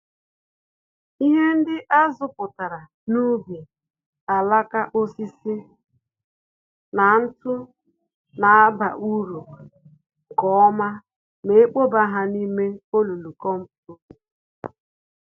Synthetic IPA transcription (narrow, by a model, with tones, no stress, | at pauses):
i˦ɦe˦n̩˦dɪ˦ʔa˦zʊ˦pʊ˨ta˨ɾa˨ | nu˦be˨ | a˨la˦ka˦ʔo˦si˦si˦ | na˨n̩˦tʊ˦ | na˨a˦ba˨ʔu˦ɾu˨ | kɔ˨˦ɔ˦ma˦ | me˨e˦k͡po˦ba˦ɦa˦ni˦me˦o˦lu˨lu˨kɔ˦m̩˦pu˨u˦˨